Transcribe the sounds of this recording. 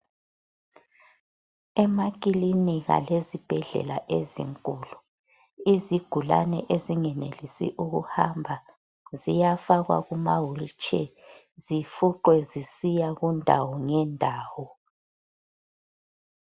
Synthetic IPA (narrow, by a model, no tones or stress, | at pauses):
ɛmakʼiliniɣa̰lezib̥ʱɛɮɛ̰laʔezḭŋkʼulu | iziɡ̥ʱula̰nɛʔeziŋɛnelisḭʔuɣuhambʱa | zijafaɣwa̰ɣumawult͡ʃʼɛ | zifuǃwɛzisijaɣundʱawɔŋɛndʱaːwɔ